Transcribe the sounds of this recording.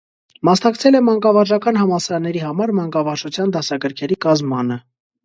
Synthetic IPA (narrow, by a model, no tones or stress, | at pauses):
mɑsnɑkt͡sʰɛlɛmɑŋkɑvɑɾʒɑkɑn̪hɑmɑsɑɾɑnːɛɾihɑmɑɾmɑŋkɑvɑɾʒut͡sʰjɑnd̪ɑsɑɡəɾkʰɛɾikɑzmɑnə